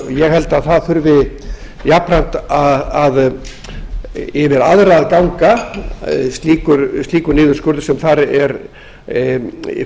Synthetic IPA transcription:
jɛɣhɛlt̪aðθaðfʏɾvɪ | japɾan̥t̪aað | ɛvɛɾaðɾaaðkawŋka | st̪liːkʏɾst̪iːkʏɾnɪːðʏ̥skʏɾðɪ̥sɛmθaɾɛɾ

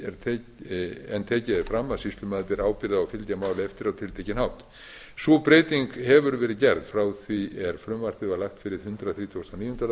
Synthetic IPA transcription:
ɛɾt̪ʰː | ɛnt̪ʰɛːcɪðɛɾfɾamːaðsist̪lʏmaːðt̪ɪɾaːwpɪɾðaawfɪlt̪jamaːwlɪɛft̪ɪɾawt̪ʰɪlt̪ʰejcɪnhawht̪ | sɔpɾejt̪iŋkhɛvʏɾvɛːɾɪðcɛɾðfɾaːwθviɛɾ̥fɾʏmvar̥p̪ɪvalaht̪fɪɾɪð̥hʏnt̪ɾaθɾiːt̪ʰost̪awniːjɔnt̪al

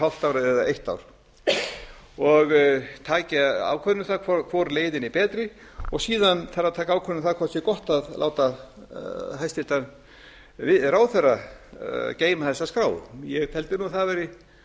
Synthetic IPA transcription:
awl̥t̪awɾɛðaʔejht̪a̰wɾ̥ | ɔɣt̪ʰaːcaa̰vkʰœðɪnʏmθakʰvɔkʰvɔɾleːjðɪnipɛːt̪ɾɪ | ɔɣsiːðanθarɾat̪ʰaːkaaːwkʰɔnɪθaðkʰvɔt̪sɪkɔht̪aðla̰ːwt̪a | ɦajst̪ɪt̪an | vɪðraːwθɛrːa | ceːjmaθɛsːaskɾaːwðʏ̰jɛɣt̪ʰɛlt̪ɪnunθaðvɛːɾɪ

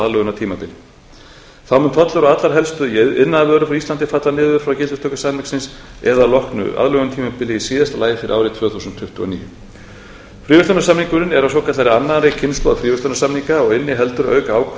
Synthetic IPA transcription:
aðlœɣʏnat̪ʰiːmapɪlɪ | θawmʏnt̪ʰɔt̪lʏɾaat̪laɾ̥ɦɛlst̪ʏɪnːaðavœːɾʏfɾawist̪ant̪ɪfat̪lanɪːðʏɾ̥fɾawcɪlʏst̪ʰœwkʏsanmɛksɪnsɛðalɔhknʏ̰ʔa̰ðlœɣʏnat̪ʰiːmapɪlɪisiːðast̪alaːjɪfɪɾɪʔaːwɾɪt̪ʰvœːθuːsʏnt̪ʰfʏht̪ʏɔ̰nḭːjʏ | fɾiːvʏst̪ɔnasamniŋkʏnɪnɛɾawsɔwkʰat̪aɾɪanːaɾɪcʰɪnspɔðfɾiːvʏst̪ɔnasamniŋkaɔɣɪnːɪɦɛlt̪ʏɾœ̰ːɥkaaːwkʰ

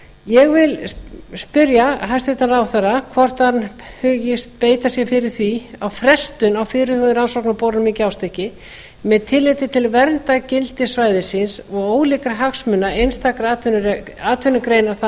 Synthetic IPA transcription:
jɛɣvɪlspʏɾjaɦajst̪ʏht̪anɾawθaɾakʰvɔr̥t̪han | hʏːjɪst̪̚peːjt̪asjɛfɪɾɪɾ̥θiawfɾɛst̪ʏnawfɪːɾʏhʏðʏɾansɔknapoːwɾnmɪcɪawst̪ehcɪ | mɛðt̪ʰɪlːejt̪ɪt̪ʰɪlvɛɾnt̪acɪlt̪ɪsvaːjðɪsɪnsɔɣoːwlɪːkɾaɦaksmʏnːaejnst̪ʰaːkɾaat̪vʏnaːt̪ʰvʏnːʏkɾeːjnaθ

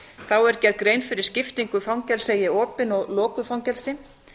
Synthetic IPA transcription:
θawɛɾ̥cɛɾkɾeːjnfɪɾɪ̥scɪft̪iŋkʏfawŋcɛlseːjɪɔːpɪnɔɣlɔːkʏfawŋcɛlsɪ

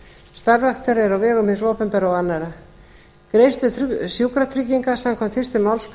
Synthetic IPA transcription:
st̪aɾvɛxt̪ʏɾɛɾawvɛːɣʏmhɪnsɔːpɛmpɛɾawanːaɾa | kɾeːjst̪ʏsjuːkɾat̪ʰɾicːiŋkasamkʰɔmt̪fɪrst̪ʏmawlsp

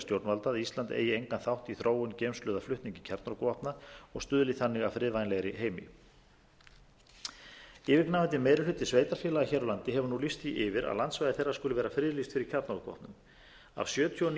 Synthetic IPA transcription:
st̪jowɾt̪nvalt̪aðist̪lant̪ḛːjɪejŋkanθawht̪iθɾʔoːwʏncejmslʏːðaflʏt̪niɲcɪcʰaɾt̪nɔɾkɔhpnaɔɣst̪ʏːðlɪθanːɪɣafɾɪːðvajnlɛɣɾɪɦeːjmɪ̰ | ɪːvɪknaːvɛnt̪ɪmeːjɾɪlʏt̪ːɪsveːjt̪aɾfjɛːlaɣaçɛːɾalant̪ɪɦɛvʏnulist̪θiʔɪvɪɾʔa̰ðlant̪svajðɪθɛrːḁɾskʏlʏvɛːɾafɾɪːðlist̪fɪɾɪɾ̥cʰaɾt̪nɔkvɔ̰hp̪nʏm | a̰vsjœːt̪ʰjoɔn

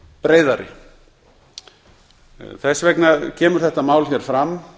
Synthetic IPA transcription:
pɾeːjðaɾɪ̰ | θɛsːvɛknacʰɛːmʏɾ̥θɛht̪amaːwlθjɛɾ̥fɾam

